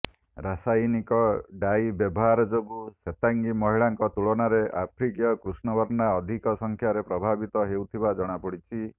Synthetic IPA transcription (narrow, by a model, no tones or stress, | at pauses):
ɾasajnikɔɖajbjɔbɔɦaɾɔd͡ʒoɡuset̪aŋɡimɔɦiɭaŋkɔt̪uɭonaɾeʔapʰɾikijɔkɾusnɔbɔɾnaɔd̪ʱikɔsɔŋkʰjaɾepɾɔbʱabit̪ɔɦewt̪ʰibad͡ʒɔɽ̃apɔɽit͡ʃʰi